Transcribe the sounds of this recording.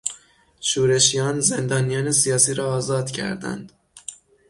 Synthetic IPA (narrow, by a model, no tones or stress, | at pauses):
ʃuːɾe̞ʃijɒːnze̞nd̪ɒːnijɒːne̞sijɒːsiːɾɒːzɒːd̪̥cʰæ̰ɾd̪æ̰nd̪̥